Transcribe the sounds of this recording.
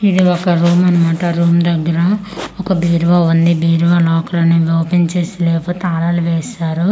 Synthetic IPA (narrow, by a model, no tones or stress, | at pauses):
id̪iɔkɐɾuːmɐnɐmaːʈɐɾuːmd̪ɐɡːɐɾɐɔkɐbiːɾʋaʋund̪ibiːɾʋaːlɔːkɾɐnɐʋɛwɐpiɲt͡ʃeːsilɛːpoːt̪eaːɾaːluʋɛːsaːɾu